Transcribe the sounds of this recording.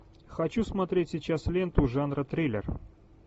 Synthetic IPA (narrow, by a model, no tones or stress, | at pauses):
xɐt͡ɕusmɐt̪ɾʲetʲsʲit͡ɕaslʲe̞nt̪ʊʐanɾət̪ɾʲejlʲɪ̰r